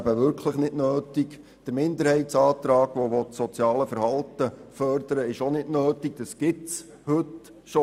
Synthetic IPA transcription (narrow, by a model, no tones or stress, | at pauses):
æbəʋʏɾkʰləχnɪdnøːtik | d̥əɾmɪnd̪əɾhɛɪtsɑːt̪ɾɑːɡ̥ʋoʋɔtsɔt͡sjɑːləfəɾhɑltəfœrdəɾəɪʃonɪdnøːtiɡ̥̚d̥ɑsɡ̥ɪtt͡s | hɵt | ʃo